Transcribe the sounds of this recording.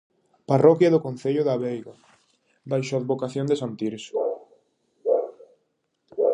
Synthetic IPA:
parɔkjaðʊkonθeʎʊðaβejɣa | bajʃoaðβokaθjond̪esant̪iɾs

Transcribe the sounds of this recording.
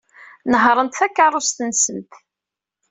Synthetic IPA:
nəɦɾˤənt̪θækːaɾˤʊst̪ənsənt̪

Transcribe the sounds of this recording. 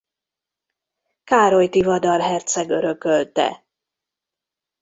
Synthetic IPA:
kaːɾo̞jt̪ivɒd̪ɒrɦɛrt̪sɛɡøɾø̞kø̞lt̪ɛ̰

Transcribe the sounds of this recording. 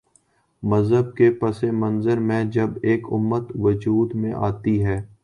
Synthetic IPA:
məzɦəb̚kepɐsemə̃nzəɾmẽd͡ʒɐbeːkʊ̰mːət̪ʋəd͡ʒuːd̪mẽʔaːt̪iɦɛː

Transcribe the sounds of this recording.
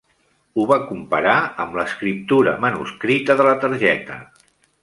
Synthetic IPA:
uβakumpəɾaəmləskɾip̚t̪uɾə̰mənṵskɾit̪əðələt̪əɾʒɛt̪ə̰

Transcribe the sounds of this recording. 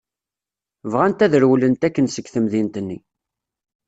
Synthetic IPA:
vʁænt̪æðəɾwlənt̪ækːənsəɡθəmðint̪ənːḭ

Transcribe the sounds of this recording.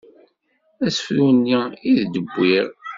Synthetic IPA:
æsə̥fɾunːiiðd̪əbʷːiɾ

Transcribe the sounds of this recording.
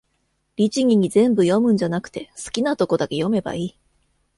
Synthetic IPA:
ɾʲit͡ɕiɡʲiɲ̟izẽ̞mbɯ̟jo̞mɯ̟̃ɲ̟d͡ʑanakɯ̥t̪e̞sɨ̥kʲinat̪o̞ko̞d̪ake̞jo̞me̞ba̰iː

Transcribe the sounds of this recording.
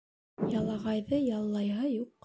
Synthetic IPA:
jɑlˠɑʁɑjðɤjɑlˠːɑjɦɤjuqː

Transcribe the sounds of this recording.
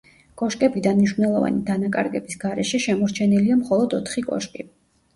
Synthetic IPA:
kʼɔʃkʼɛbid̪anmniʃvnɛlˠɔva̰nid̪anakʼaɾɡɛbisɡaɾɛʃɛʃɛmɔɾt͡ʃʰɛniliamχɔlˠɔd̪ɔt̪ʰχikʼɔ̰ʃkʼi

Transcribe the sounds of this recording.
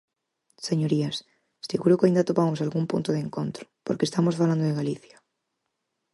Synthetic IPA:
se̞ɲoɾias | siɣuɾokaind̪at̪opamosalɣumpṵnt̪oðeŋkont̪ɾo̥poɾkest̪amosfaland̪oðeɣaliθjḁ

